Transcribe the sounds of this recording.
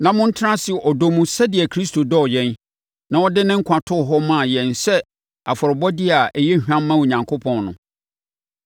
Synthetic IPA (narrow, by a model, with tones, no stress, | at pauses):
nã˨mʊ̃˦n̩˦tʰɪ˦ɾã˦sɪ˨ʔɔ˨do˦mũ˨sɛ˦dɪ˨ɛ˨kʰɾi˦stʰo˨dɔ˦˨jɛ̃˦n | nã˨ɔ˦dɪ˦nɪ̃˦ŋ̩˦kʷʰã˨tʰʊ˦˨ɦɔ˦mã˦˨jɛ̃˨nsɛ˦ | a˨fɔ˨ɾɪ˨bɔ˦dɪ˦a˨ʔɛ˨jɛ˦hᶣã˦mː˦ã˦wo˨ɲã˨ŋkʰo˦pʰɔ̃˨nnʊ̰̃˨